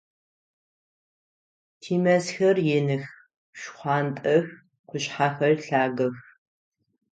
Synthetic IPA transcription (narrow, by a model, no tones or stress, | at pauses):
tʰiːmɐsxɐrjenɨx | ɕχʷɑːntʼɐx | qʷʊɕħaːxɐrɬaːɡɐx